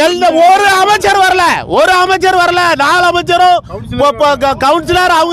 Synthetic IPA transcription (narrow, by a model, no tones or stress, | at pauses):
ɛlɐɔɾɯɐmɐt͡ʃːɐɾʋɐɾɐlɐɔɾɯɐmɐt͡ʃːɐɾʋɐɾɐlɐnaːɭɐmɐt͡ʃːɐɾõːpːkɐwɳʈsɪlaɾɐʋɯŋɡ